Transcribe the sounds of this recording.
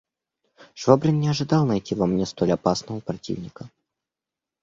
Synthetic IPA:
ʂvobɾʲɪnːʲɪɐʐɨd̪ɑlˠnɐjtʲivɐmnʲest̪olʲɐpasnəvəpɾɐtʲḭvnʲɪkə

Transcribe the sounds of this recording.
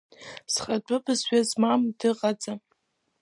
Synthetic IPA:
sχadʷʼʊbɨzɥazmamdɨqʼad͡zʼa

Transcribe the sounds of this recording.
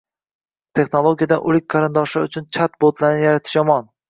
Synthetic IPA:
t̪ʰe̞xnolˠoɡʲijad̪anʔʊlɪk̚ʲqʰɑɾɪnd̪ɒʃaʊt͡ʃʰʊnt͡ʃʰat̪̚bot̪laɾnɪjaɾat̪ʰɪʃjɒmɒn

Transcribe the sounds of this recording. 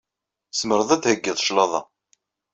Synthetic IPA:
sməɾˤəðˤæd̪həɡːiðˤʃlɑðˤɑ̰

